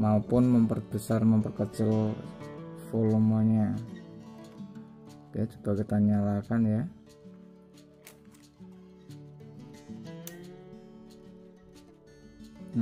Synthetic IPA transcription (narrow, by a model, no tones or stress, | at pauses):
maupʊnməmpərb̥əsarməmpərkət͡ʃəl | folumaɲa | at͡ʃu̥t̪akit̪aɲalakanja | na